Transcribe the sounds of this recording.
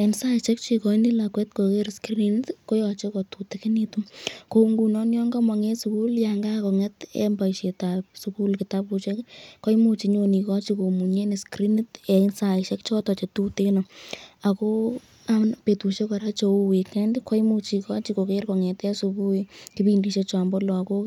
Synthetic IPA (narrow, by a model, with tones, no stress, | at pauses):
ensa˦iʃe˦k̚t͡ʃi˧kɔ˨˦ndi˦la˨kwɛ˦tkoke˦ɾski˦ntko˦jɔt͡ʃe˦ko˨tute˦kɪ˦ni˧tu˦ko˨ŋɡu˨nɔ˦njɔ˦ŋɡa˦ma˨ŋe˦suku˦ljaŋɡa˦kɔ˨ŋɛ˦tɛ̰˦mbaiʃe˨tapsuku˦lkɪ˨ta˦pu˧t͡ʃe˦kkɔ˦jmu˦t͡ʃi˨ɲo˧ni˨kɔt͡ʃi˦ko˨mu˨ɲe˦ni˨skɾi˦n˦tɛ˨saɪʃe˦kt͡ʃɔ˦tɔ˨t͡ʃe˨tu˦teno˨a˨ko˦ | anpe˨tu˨ʃe˦kɔ˨ɾa˦t͡ʃo˧u˦wi˨kɛndkɔ˦imu˧t͡ʃikɔ˦t͡ʃi˦ko˨ke˦ɾko˨ŋɛtɛ˦suku˦ki˦bindi˨ʃet͡ʃa˨mbɔ˦lɔ˨a˨ko˦